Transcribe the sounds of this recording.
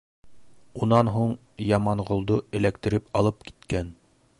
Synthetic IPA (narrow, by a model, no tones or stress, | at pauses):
unɑnɦuɴ | jɑmɑɴʁŏlˠd̪oɘ̆lækt̪ɘ̆ɾɘpɑlˠɤpki̥t̪kæn